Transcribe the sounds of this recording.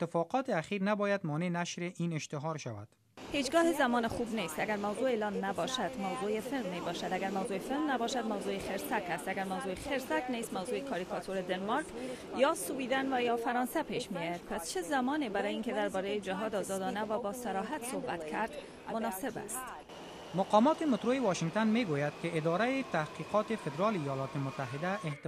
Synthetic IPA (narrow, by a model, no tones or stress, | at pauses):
t̪ːɪfɔqɔt̪eaχiɾnabɒjad̪mɔnenaʃɾeʔineʃt̪ɪɦɒɾʃa̰wa̰d̪̥ | hed͡ʒɡɒːhezamɒːnɪxubnest̪aɡaɾmawzoeːlɒnːabɒʃad̪mawzojefɪlmːebɒʃad̪aɡaɾmawzoefɪlmnabɒʃad̪mawzojexeɾsakast̪aɡaɾmawzoexeɾsaknest̪mawzoekʰɒɾikɒt̪ʰoɾed̪enmɒɾk | jɒsuwid̪anvajɒfaɾɒnsapeʃmijɒjad̪̚past͡ʃʰɪzamɒnebaɾɔjinked̪aɾbɒɾejed͡ʒaɦɒd̪ɒzɒd̪ɒnavabɒsaɾɒɦat̪sohba̰t̪kʰaɾd̪ | mʊnɒsɪba̰st̪ | mʊqɒmɔt̪emʊt̪ɾojewɒʃɪŋɡ̚t̪anmeɡojad̪̚keɪd̪ɔɾaet̪ahqiqɔt̪efed̪ɾɔleijɔlɔt̪emʊt̪ːaɦɪd̪aʔɪht̪